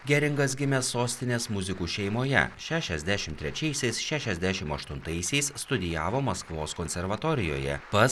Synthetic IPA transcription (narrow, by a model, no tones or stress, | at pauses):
ɡʲɛɾʲɪŋɡɐsɡʲɪmʲɛsːoːsʲt̪ʲɪnʲeːsmʊzʲɪkuːʃʲɛɪmoːjɛ̰ʃʲæːʃʲɛzʲd̪ʲæʃʲɪmt̪ʲɾʲɛt͡ʃʲɛɪsʲɛɪsʃʲæːʃʲɛzʲd̪ʲæʃʲɪmɐʃt̪ʊnt̪ɐɪsʲɛɪsst̪ʊd̪ʲɪjæːʋoːmɐskʋoːskoːnʲsʲɛɾʋɐt̪ɔːɾʲɪjo̰ːjɛ̰pɐ